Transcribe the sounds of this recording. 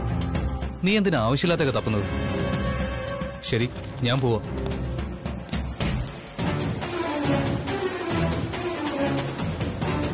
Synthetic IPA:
niːe̞nd̪inɨaːʋɐɕjɐlːaːt̪ːeɣɐt̪ɐpːɨnːuðɨ | ɕɐɾi | ɲaːnpo̞ːʋaː

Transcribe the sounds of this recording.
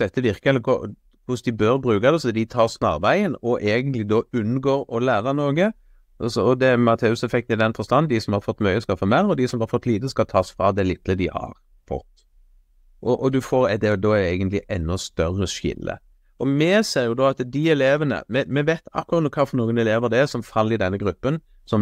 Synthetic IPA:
d̪ɛt̪ːəʋɪɾkəɡɔ̰ | kʊsd̪ɪbøɾbɾʉːkɑd̪ɛsɔd̪ɪt̪ʰɑːɾsnɑ̰ʁʋæɪənɔʔeːɡənt̪lɪd̪ɔʉnːɡoːɾɔlæːɾənoːɡə | sɔɔd̪ɛmɑt̪ʰeːʉsɛfɛk̚t̪ɪd̪ɛnfɔɾst̪ɑnːd̪ɪsɔmhɑɾfɔt̪ːmœʏəskɑfɔːmæɾɔd̪ɪsɔmhɑɾfɔt̪ːliːd̪əskɑt̪ʰɑːsfɾɑd̪ɛlɪt̪ləd̪ɪhɑ̰ɾ | fɔ̰t̪ː | ʔɔʔɔd̪ʉfɔɾɛd̪ɛd̪ɔæjɛɪɡənt̪lɪʔɛnːɔst̪œɾəʂɪ̰lːə̰ | ɔmɛseːɾjʊd̪ɔɑt̪d̪ɪɛleːʋənə̰mɛmɛʋet̪ɑ̰kːʊɾɑt̪nuːkʰɑːfɔɾnuːɡənɛleːʋəɾd̪ɛæsɔmfɑlːɪd̪ɛnːəɡɾʉpːən | sɔm

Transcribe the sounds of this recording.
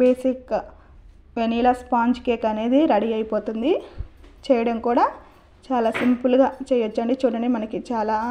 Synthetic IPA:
beːsik | ʋeniːlɐspaːɲd͡ʒkeːkɐne̞ːd̪iɾɐɽiɐjpo̞ːt̪und̪it͡ʃɛːjɐɽɐmkuːɽaː | t͡ʃaːlaːsimpuluɡaːt͡ʃɛːjɐʋɐt͡ʃːɐɳɖit͡ʃuːɽɐɳɖimɐnɐkit͡ʃaːlaː

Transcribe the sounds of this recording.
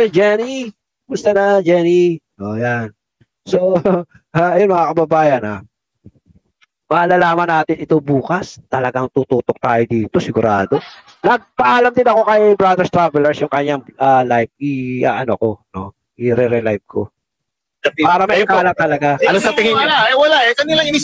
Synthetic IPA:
d͡ʒɛni | mʊst̪ɐnɐd͡ʒɛni | ʔojan | so̞ | ʔaɐjonmɐŋakɐbɐbaːjɐna | mɐʔːlalaːmɐnaːt̪ɪnɪt̪o̞buːkɐst̪ɐlɐɡaŋt̪uːt̪uːt̪ok̚t̪aːjod̪iːt̪o̞sɪɡʊɾʔaːd̪o̞ | nɐɡ̚pɐʔaːlɐmd̪ɪnɐko̞kɐjbɾad̪ɛɹst̪ɾavɛlɐɹsjʊŋkɐɲaŋʔalajp̚ʔiaʔɐnoko̞no̞ | ʔiɾɛɾɛlajb̚kʰo̰ | paːɾɐmɐʔɪkaːlɐp̚t̪ɐlɐɡaʔɐlosɐt̪ɪŋɪlaɛwɐlaʔɛkɐnilɐŋi

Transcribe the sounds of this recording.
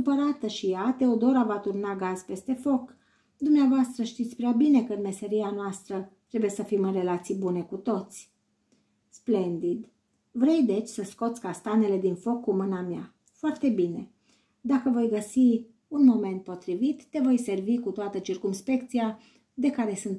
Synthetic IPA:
kɨumpəɾat̪əʃijat̪e̞od̪o̞ɾavat̪urnaɡaz̥pe̞st̪e̞fo̞k | d̪umneavoast̪ɾəʃt̪it̪sʲpɾeabine̞kəɨnme̞se̞ɾianoast̪ɾət̪ɾe̞bujesəfimɨnre̞lat̪sijbune̞kut̪o̞t̪sʲ | sple̞nd̪id̪ | vɾe̞jd̪e̞t͡ʃʲsəsko̞t̪sʲkast̪ane̞le̞d̪info̞kːumɨnamja | foart̪e̞bine̞ | d̪akəvo̞jɡəsi | unmo̞me̞nt̪̚po̞t̪ɾivit̪ːe̞vo̞jse̞rvikut̪oat̪ət͡ʃirkumspe̞k̚t̪sija | d̪e̞kaɾe̞sɨnt̪

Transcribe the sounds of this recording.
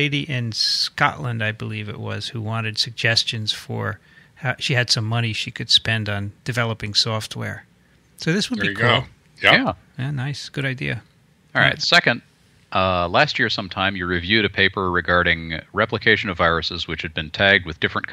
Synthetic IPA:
eɪɾiʔɪ̃nskɑ̰ʔlə̃ndaɪbəlivɨ̰ʔ̚wʌ̰z̥huwɑ̃ñɨd̥sɨɡ̚d͡ʒɛst͡ʃɨ̃nz̥fə̰˞ | haʃiɨd̥sʌ̃mːʌñiʃikʰɨd̥spɛ̃ndn̩d̥ɨvɛlˠəpɪ̃ŋsɔft̚wɛ̰ɹ | soʊðɪswəd̚bikʰulˠ | æ | jænaɪsɡ̥ʊɾaɪdiɨ | ɹɹa̰ɪtsɛkɨ̃nd̥̚ | ʌlæst̚jɪɹsʌ̃mtʰãɪ̃mjɨɹivjʉɾɨpʰeɪpə˞ɹɨɡɑɹɾɪ̃ŋɹɛpləkʰeɪʃɨ̃nʌvaɪɹɨsɨzwɨt͡ʃhɨd̚bɨ̃ntʰæɡ̚d̚wɨðdɪfɹɨ̃nkʰ

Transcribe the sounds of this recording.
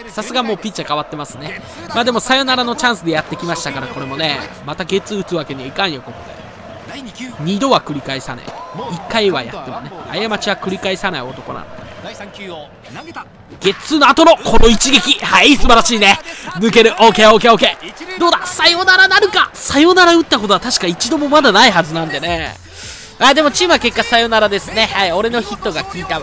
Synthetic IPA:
sasɨɡamo̞ːpʲit̪̚t͡ɕːakaβat̪ːe̞masɨne̞ | maːd̪e̞mo̞sajo̞naɾano̞t͡ɕãɰ̃sɨd̪e̞jat̪ːe̞kʲimaɕi̥t̪akaɾako̞ɾe̞mo̞ne̞mat̪aɡe̞t͡sɨɯ̟t͡sɨβake̞ɲ̟iaikãɰ̃joko̞kod̪e̞̰ | ɲ̟id̪o̞βakɯ̟ɾʲikaisa̰na̰iikːaiβa̰ja̰t̪ːe̞mo̞nea̰jamat͡ɕiβakɯ̟ɾʲikaisanaio̞t̪o̞ko̞̰na̰no̰d̪e | ɡ̥e̞t͡sɨno̞at̪o̞no̞kʰo̞no̞it͡ɕiɡe̞kʲihaisɨbaɾaɕiːnenɯ̟ke̞ɾɯ̟ʔoːkeoːkeoke̞d̪o̞ːd̪asajo̞naɾanaɾɯ̟kasajo̞naɾaɯ̟t̪ːako̞t̪oat̪aɕi̥kait͡ɕid̪o̞mo̞mad̪anaihazɨnãnd̪e̞ne̞ | ad̪e̞mot͡ɕiːmɯ̟ake̞kːasajo̞naɾad̪e̞sɨne̞haio̞ɾe̞no̞çit̪ːo̞ɡakʲiːt̪a

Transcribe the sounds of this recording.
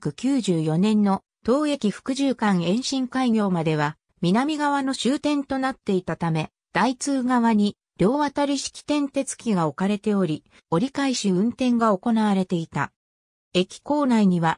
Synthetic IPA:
kɯ̟kʲɨːʑɨːjo̞nẽ̞nːo̞ | t̪o̞ːe̞kʲiɸɯ̥kɯ̟ʑɨːkãɰẽ̞ɰ̃ɕĩŋkaiɡʲo̞ːmad̪e̞βa | mʲinamʲiɡaβano̞ɕɨːt̪ẽ̞nt̪o̞nat̪ːe̞it̪at̪ame̞ | d̪̥ait͡sɨːɡaβaɲ̟i | ɾʲo̞ːβat̪aɾʲiɕi̥kʲi̥t̪ẽ̞nt̪e̞t͡sɨ̥kʲiɡao̞kaɾe̞t̪e̞o̞ɾʲi | o̞ɾʲikaiɕiɯ̟̃nt̪ẽ̞ŋɡao̞ko̞naβaɾe̞t̪e̞it̪a̰ | e̞kʲi̥ko̞ːnaiɲ̟iβa

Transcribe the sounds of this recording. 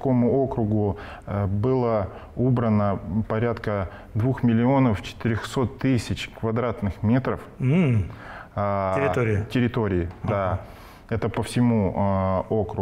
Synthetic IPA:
ko̞mʊo̞kɾʊɡʊ | bɨlˠə | ubɾənəpɐɾʲat̪kə | d̪vuxmʲɪlʲɪo̞nəft͡ɕɪ̥t̪ɪɾʲoxso̞t̪ːɨsʲɪt͡ɕkvɐd̪ɾat̪nɨxmʲe̞t̪ɾəf̩ | ɪɪɾʲɪtʲɪɾʲɪt̪o̞ɾʲɪɪd̪a | ɛt̪əpəfsʲɪmu | okɾʊ

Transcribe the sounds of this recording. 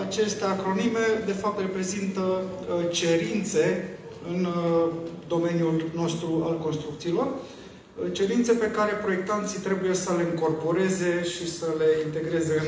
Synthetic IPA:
at͡ʃe̞st̪eakɾo̞nime̞d̪e̞fap̚t̪re̞pɾe̞zint̪ə | t͡ʃe̞ɾint̪se̞ | ɨn | d̪o̞me̞njulno̞st̪ɾualko̞nst̪ɾuk̚t̪siːlo̞r | t͡ʃe̞ɾint̪se̞pe̞kaɾe̞pɾo̞je̞k̚t̪ant̪sit̪ɾe̞buje̞səle̞ɨŋko̞rpo̞ɾe̞ze̞ʃisəle̞int̪e̞ɡɾe̞ze̞ɨn

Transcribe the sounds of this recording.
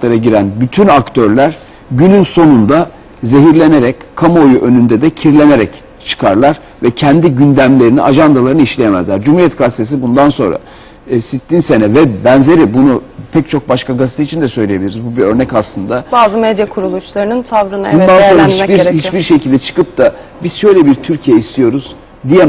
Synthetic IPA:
aɾaɟiɾænbyt̪ʰynakt̪ʰøɾlʲæɾ̥ | ɟynynso̞nund̪a | ze̞ɦiɾlʲe̞ne̞ɾɛckʰamaojuʔø̞nynd̪ɛd̪ɛcʰiɾlʲe̞ne̞ɾɛc | t͡ʃʰɯ̥kʰaɾlˠaɾ | vɛcʰɛnd̪iɟynd̪æmlʲe̞ɾinḭʔaʒand̪alˠaɾɯnɯiʃlʲejemæ̰zlʲæɾd͡ʒumhuɾijɛt̪̚kɡast̪ʰesibund̪anso̞̰nɾa̰ | sit̪ʰːʲinse̞nɛvɛbænze̞ɾibunupʰɛc̚t͡ʃʰo̞k̚baʃkaɡazsi̥t̪ʰit͡ʃʰind̪ɛsøjlʲejeblʲiɾizbubiø̞ɾnɛcaslˠɯnd̪abaːzɯmed̪jakʰuɾulˠuʃlˠaɾɯnɯnt̪ʰavɾɯnbund̪ansoɾait͡ʃihit͡ʃbiɾʃe̞cʰilʲd̪ɛt͡ʃʰɯ̥kɯp̚d̪a | biz̥ʃø̞jlʲebiɾt̪ʰyɾcʰijɛist̪ʰijo̞ɾuz̥ | d̪ijɛ

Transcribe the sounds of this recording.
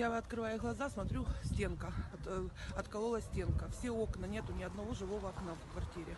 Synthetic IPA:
jaɐt̪kɾɨvajʊɣlˠɐzasmɐt̪ɾʲusʲtʲe̞nkəɐt̪ɐt̪kɐlˠolˠəsʲtʲe̞nkəfsʲeo̞knənʲe̞t̪ʊnʲɪɐd̪nɐvo̞ʐɨvo̞vɐɐknafkvɐrtʲiɾʲɪ

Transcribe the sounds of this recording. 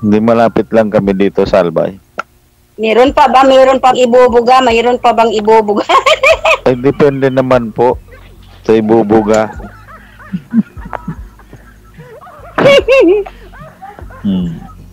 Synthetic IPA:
ɪnd̪imɐlaːpɪt̪̚laŋkɐmɛd̪iːt̪osɐalba̰j | mɛːɾonpɐbamɛːɾonpaŋɪbuːbʊɡamɐɾonpɐbaŋɪbuːbʊɡa | ʔɐjd̪ɪpɛnd̪ɛnɐmanpoʔ | sɐɪbubʊɡa

